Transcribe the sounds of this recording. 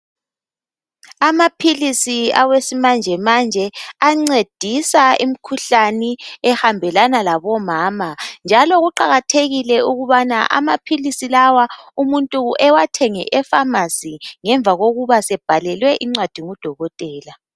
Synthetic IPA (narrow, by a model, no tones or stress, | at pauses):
amapʰilisiawesimand͡ʒʱɛmand͡ʒʱɛaŋ͡ǀed̥ʱisaim̩kʰuɬaniɛhambʱɛlanalaβɔmaːmand͡ʒʱaloɣuǃaɣatʰeɣilɛuɣuβanaʔa̰mapʰilisilawaumuntʼuɛwatʰɛŋɛ̰ʔɛfamasiŋɛɱvʱaɣoɣuβasɛb̥ʱalɛlwɛʔiŋ͡ǀwad̥ʱiŋud̥ʱɔɣɔtʼɛːla